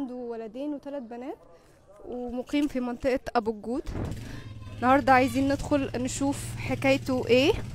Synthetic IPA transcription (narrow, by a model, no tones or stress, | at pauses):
nd̪uwælæd̪eːnwet̪ælæt̪̚bænæːt̪ | wʔemoqiːmfimɑnt̪ˤeʔʔæbuɡuːd̪ | ʔenːɑhɑɾˤd̪ˤɑʕajziːnːed̪xolnʃuːfħekæːjt̪oʔeː